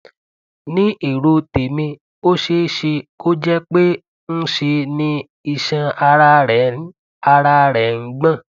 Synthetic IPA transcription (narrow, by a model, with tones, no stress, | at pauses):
nĩ˦ʔi˨ɾo˧te˨mĩ˧ | o˦ʃe˧˦ʃe˧ko˦d͡ʒɛ˦k͡pe˦ | n̩˦ʃe˧nĩ˦ | i˧ʃã˧a˧ɾa˧ɾɛ˨˦ | a˧ɾa˧˦ɾɛ˨ŋ̩˦ɡ͡bã˦˨